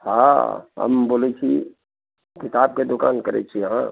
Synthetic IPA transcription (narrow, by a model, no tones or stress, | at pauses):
hã̰ɦə̰mboːlet͡ʃʰi | kɪt̪aːb̚ked̪okaːnkəɾḛt͡ʃʰiɦã